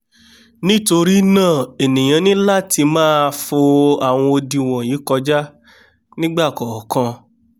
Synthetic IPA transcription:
nĩ˦to˧ɾi˦nãː˦˨e˨nĩ˨j̃ã˨˧˦nĩ˦la˦˨ti˧mãː˦˧fo˧a˨w̃ɔ̃˧o˧di˧w̃ɔ̃˨ji˨˦kɔ˧d͡ʒa˦ | nĩ˦ɡ͡ba˦˨kɔ˨kã˧

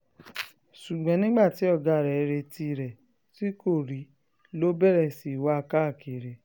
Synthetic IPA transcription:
ʃu˨ɡ͡bɛ̃˨˦nĩ˦ɡ͡ba˦˨ti˨˦ɔ˦˨ɡa˧˨ɾɛ˨˧ɾe˧ti˧˨ɾɛ˨ | ti˦ko˦˨ɾi˨˦ | lo˦bɛ˦ɾɛ˦˨si˨wa˦a˧ka˦a˦˨ke˨ɾe˨

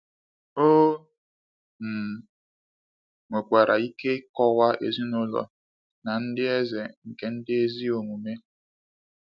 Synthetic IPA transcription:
oː˦ | m̩˨ | ŋʷe˨kʷa˨ɾʔa˨i˦ke˦kɔ˦wa˦ʔḛ˨zi˦nʊ˦lɔ̰˨ | na˨n̩˦dɪ˦e˦ze˨ŋ̩˨ke˦n̩˦dɪ˦e˦zi˦o˨ŋu˨me˦

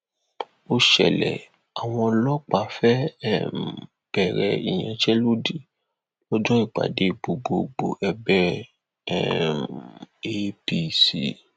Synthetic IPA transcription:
o˧ʃɛ̰˨lɛ̰˨ | a˨w̃ɔ̃˧lɔ˦k͡pa˨fɛ˦˨m˨ | b̥ɛ˨ɾɛ˧i˨j̃ã˨t͡ʃɛ˦lo˦di˨ | lɔ˦d͡ʒɔ̃˦i˦˨k͡pa̰˨de˨˦ɡ͡bo˧ɡ͡bo˧ɡ͡bo˧ʔɛ˧bɛ˦ | ɛ˦me˦pi˦sḭ˨˦

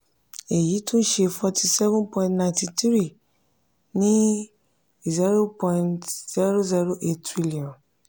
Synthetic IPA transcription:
e˨ji˨˦tʰũ˦n̩˦ʃe˧fɔ˧tʰi˧sɛ˦vũ˦pɔ̃˧j̃ntnã˧j̃ntĩ˧tɾi˦˨ | nĩ˦˨ | zi˦ɾo˦pɔ̃˧ĩntz̥ɛ˦ɾo˦zɛ˦ɾo˦ʔe˦ttɾi˦li˨ɔ̃˨n

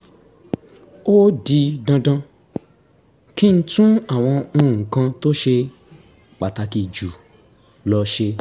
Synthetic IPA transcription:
o˦di˧dã˧dã˧ | kĩ˦n̩˦tũ˦a˨w̃ɔ̃˧ũ˦˨kã˧to˦ʃe˧ | k͡pa˨ta˧ki˧˨d͡ʒu˨ | lɔ˧ʃe˧

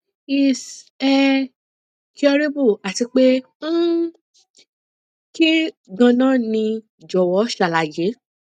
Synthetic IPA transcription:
i˨sɛ˧ | ki˦ɔ˧ɾe˦bu˦˨a˨ti˧k͡pe˦ | ki˦ɡã˧nãː˦˨nĩ˧ | d͡ʒɔ˨wɔ˨˦ʃa˨la˨je˨˦

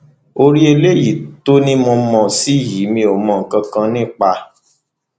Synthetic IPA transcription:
o˧ɾi˦e˧le˦ji˦˨to˦nĩ˦mɔ̃˧mɔ̃˧˨si˦˨ji˨˦mĩ˧o˨mɔ̃˨˧˨ŋ̩˨kã˧kã˧nĩ˦˨k͡pa˧

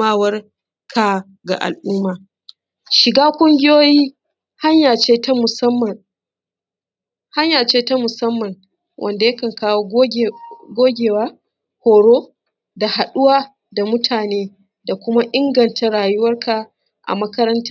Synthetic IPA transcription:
aː˦wɐ˦r | kʰa˨ | ɡa̰˨ʔa̰˨lʔuː˦maː˨ | ʃɪ˨ɡaː˦kʷʼʊ˦ŋɡʲɪ˦joː˦jiː˦ | ha˦ɲjaː˨t͡ʃeː˦tmʊ˨˦m˨ | ha˦ɲjaː˨t͡ʃeː˦ta˦mʊ˨sɐ˦mːɐ˨n | wʔɐ̰˨nda˨jɐ˦kɐ˨ŋkaː˦wo˦ɡʷoː˦ɡʲeː˨waː˦ | hoː˨ɽoː˦ | da˨ha˨ɗʊ˦waː˦ | da˨mʊ˦tʰaː˨neː˦ | da˨kʷʊ˦ma˦ʔɪ˦ŋɡɐ˨ntʰa˦ɽaː˨jʊ˦wɐ˦rkʰa˨ | ʔa̰˨mɐ˦kɐ˦ɾɐ˦nta˦

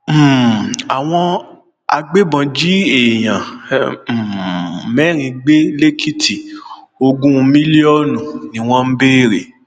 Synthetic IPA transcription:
m̩˨a˨w̃ɔ̃˧ | a̰˧ɡ͡be˦bã˧d͡ʒi˦e˨j̃ã˨ | mɛ˦ɾ̃ĩ˧ɡ͡be˦le˦ki˦ti˨ | o˧ɡũ˦˧mĩ˦li˦ɔ˦nũ˨nĩ˨˦w̃ɔ̃˦m̩˦be˦˨ɾe˨

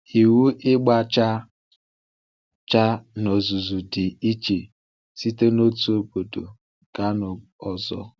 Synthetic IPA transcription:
i˨wu˦ʔɪ˦ɡ͡ba˦t͡ʃa˦ | t͡ʃa˦no˨zu˨zu˨dɪ˨i˦t͡ʃe˨ | si˦te˦no˦tu˦o˨bo˨do̰˨ | ɡ̥a˦no˨ɔ˨zɔ̰˦

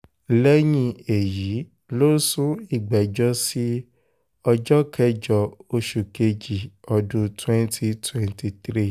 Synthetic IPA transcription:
lɛ˦j̃ĩ˧˨e˨ji˨˦ | lo˦sũ˦i˦˨ɡ͡bɛ˨d͡ʒɔ˦si˦ | ɔ˧d͡ʒɔ˦kʰɛ˦d͡ʒɔ˧o˧ʃu˨ke˧d͡ʒi˨ɔ˧dũ˧twɛ̃˦ntʰi˧twɛ̃˧nti˧tɾi˦˨

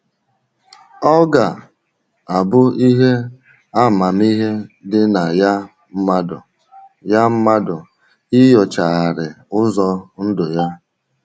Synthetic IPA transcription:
ɔ˦ɡa˨ | a˨bʊ˦i˦ɦe˦ | a˦˨ma˨m˦i˦ɦe˦dɪ˦na˨ja˦ | m̩˦ma˦dɔ˨ | ja˦m̩˦ma˦dʊ˨ | i˦jɔ˨t͡ʃa˨a˨ɾɪ˨ʊ˦zɔ˦n̩˦dʊ˨ja˦

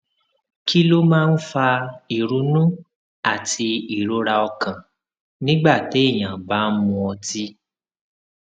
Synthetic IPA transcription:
kʰi˦lo˦mãː˦˧n̩˦fa˧i˨ɾu˨˦nũ˦ | a˦˨tʰi˧i˨ɾo˦ɾa˧ɔ˧kã˨ | nĩ˦ɡ͡ba˦˨te˨˦i˦˨j̃ã˨ba˨˦mũ˧ɔ˧ti˦

